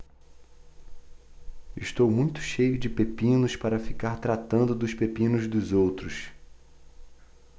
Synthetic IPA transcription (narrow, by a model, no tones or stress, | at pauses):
iʃt̪owmũj̃t̪ʊ̥ʃejʊd͡ʒɪpepĩnʊspaɾɐfikaɾt̪ɾat̪ɐ̃nd̪ʊd̪ʊspepĩnʊzd̪ʊzowt̪ɾʊs